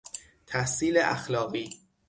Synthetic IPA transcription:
t̪ʰæhsiːleʔæ̰xlɒːɣiː

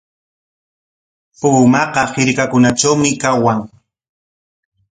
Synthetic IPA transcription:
pʊːmɑqɑhɪɾkakʊnat͡ʃawmɪkawaŋ

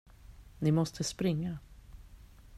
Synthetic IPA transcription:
nɪmɔst̪ʰəspɾɪŋːa

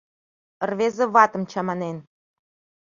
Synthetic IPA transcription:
ərβezĕβɑt̪ə̆mt͡ɕɑmɑnen

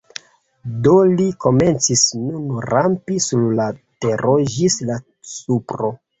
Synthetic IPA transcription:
do̞liko̞me̞nt͡sisnunɾampisuɾlate̞ɾoʒisla | t͡supɾo̞

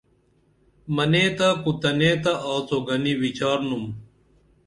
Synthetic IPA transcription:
mɐneːt̪akut̪ɐneːt̪ɐʔaːt͡soɡɐniʋit͡ɕaːɾnum

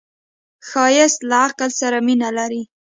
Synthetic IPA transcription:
xɑjɪst̪laaqlsaɾaminalaɾi

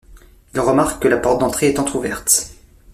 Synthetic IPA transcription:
ilʁəmaʁkːəlapɔʁt̪̚d̪ɑ̃t̪χeɛt̪ɑ̃t̪χuvɛʁt̪

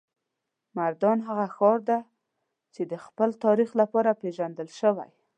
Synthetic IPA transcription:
maɾd̪ɑnɦaɣaxɑɾd̪a | t͡ʃed̪əxpəlt̪ɑɾixlapɑɾapeʒand̪əlʃəwa̰j

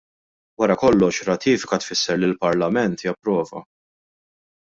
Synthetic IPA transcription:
wɐɾɐkɔlːɔʃɾɐt̪ʰiːfɪkɐt̪fɪsːɛɾlilpɐɾlɐmɛnt̪ɪjɐpɾɔːvɐ̰

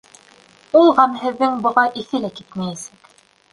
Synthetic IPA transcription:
ulˠʁɑmɦɘ̆ðːɘŋbŏʁɑʔiθɘlækit̪mæjæsæk

